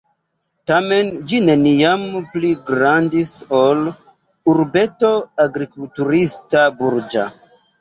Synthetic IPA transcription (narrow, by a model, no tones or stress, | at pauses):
tame̞nd͡ʒine̞nijampliɡɾandiso̞l | uɾbe̞to̞aɡɾikultuɾistabuɾd͡ʒa̰